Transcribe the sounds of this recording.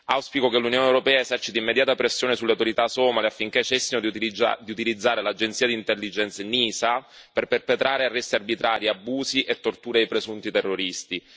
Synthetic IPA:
awspikok̟elːunjoːnewɾopɛːaezɛrt͡ʃit̪aimːed̪jaːt̪apɾesːjoːnesuleawt̪oɾit̪asɔːmaleafːiŋk̟et͡ʃːesːinod̪d̪iut̪ilid̪zːaːɾelad͡ʒent̪siːad̪int̪elːid͡ʒɛnt̪seniːsa | perperpet̪ɾaːɾearːɛst̪iarbit̪ɾaːɾiabːuːziʔet̪ːort̪uːɾeejpɾezunt̪it̪erːoɾist̪i

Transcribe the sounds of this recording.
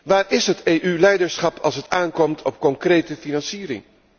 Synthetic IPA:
ʋaːɹɪsɦətejʔylɛjdəɹsχɑpʰɑ̰lˠsətaːnkɔmtʰɔp̚kɔŋkrejtəfinɑnsiːɾɪ̰ŋ

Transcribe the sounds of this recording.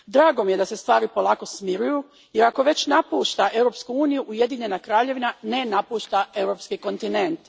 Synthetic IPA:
d̪ɾaːɡomije̞d̪ase̞st̪ʋaːɾipo̞lˠaːko̞smiɾuju | je̞ɾako̞ʋe̞t͡ɕnapuːʃt̪aʔe̞wɾo̞pskuuːnijuʔuje̞d̪iɲe̞nakɾaːʎe̞ʋinane̞napuːʃt̪ae̞wɾo̞pskiko̞nt̪ine̞nt̪

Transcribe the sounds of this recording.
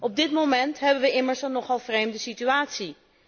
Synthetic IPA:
ɔb̚dɪtmomɛntɦɛbəʋəʔɪməɹsnɔχɑlˠvrejmdəsityaːtsi

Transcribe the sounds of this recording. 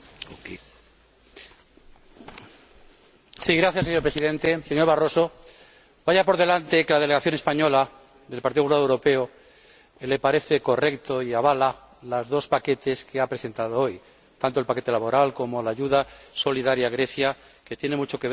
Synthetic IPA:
siɣɾaθjaseɲopɾe̞siðe̞nt̪e̞seɲo̞ɾβaro̞so̞ | baʝapo̞ɾðe̞lant̪e̞ke̞lað̞e̞leɣaθjo̞nespaɲo̞la | ðe̞lpaɾt̪iðoulaðowɾo̞pe̞o | le̞paɾe̞θe̞ko̞re̞kt̪o̞iaβ̞ala | lazðo̞spake̞t̪e̞skeapɾe̞se̞nt̪að̞oo̞j | t̪ant̪oe̞lpake̞t̪e̞laβo̞ɾalko̞mo̞laːʝuðaso̞liðaɾjaɣɾe̞θja | ke̞t̪je̞nemut͡ʃo̞keβ

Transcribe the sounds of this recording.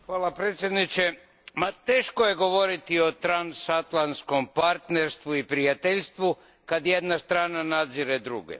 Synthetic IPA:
xʋaːlˠapɾeːt̪sʲjed̪nit͡ʃe | mat̪e̞ːʃkojeɡo̞ʋo̞ɾit̪io̞t̪ɾansat̪lˠansko̞mpaɾt̪neɾst̪ʋuipɾijat̪eʎst̪ʋu | kad̪je̞d̪nast̪ɾaːnanad̪ziɾed̪ɾṵɡḛ

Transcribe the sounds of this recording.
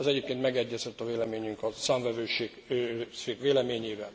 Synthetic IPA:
ɛzɛɟeːp̚keːnt̪mɛɡɛɟːɛzɛt̪ːɒveːlɛmeːɲyŋkɒsaːɱvɛvøːʃeːɡøʃeːkveːlɛmeːɲeːvɛn

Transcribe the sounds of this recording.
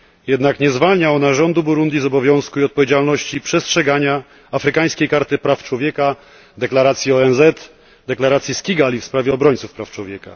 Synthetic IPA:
jɛd̪nakɲɛzvalɲaɔnaʐɔnd̪ubuɾund̪ʲjizɔbɔvʲjɔ̃w̃skuiɔt̪̚pɔvjed͡ʑalnɔɕt͡ɕipʂɛstʂɛɡaɲa | afɾɘkaj̃skʲejkaɾt̪ɘpɾaft͡ʂwɔvʲjɛka | d̪ɛklaɾat̪sʲjiɔɛnzɛt̪ | d̪ɛklaɾat̪sʲjiskʲiɡalʲifspɾavʲjɛɔbɾɔɲʲt̪sufpɾaft͡ʂwɔvʲjɛka̰

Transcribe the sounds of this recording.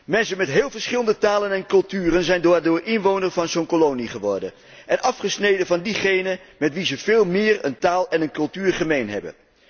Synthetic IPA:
mɛnsənmɛtɦɪːlˠvəɹsχɪləndətaːlənɛnkɵlˠtyːrənzɛjndoːɹdʊːɹɪnʋownəɹvɑnzownkolowniχəʋɔɹdən | ʔɛnʔɑfχəsnejdənvɑndiχejnəmɛtʋizəvɪːlˠmɪːrə̰ntaːlˠɛnənkɵlˠtyːɹχəmejnɦɛ̰bə̰n

